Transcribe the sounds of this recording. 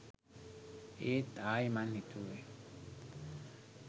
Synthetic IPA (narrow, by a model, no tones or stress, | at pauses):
et̪aimanhit̪ue